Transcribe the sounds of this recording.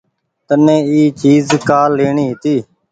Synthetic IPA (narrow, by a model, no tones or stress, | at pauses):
t̪ənẽːiːt͡ʃiːzkaːlːeːɳiːɦɪt̪iː